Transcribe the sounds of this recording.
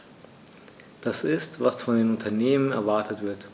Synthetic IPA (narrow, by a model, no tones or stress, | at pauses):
d̥asɪstv̥asfɔndeːnʊntʰɐneːmənɛ̰ɐvaɐtʰətv̥ɪɐt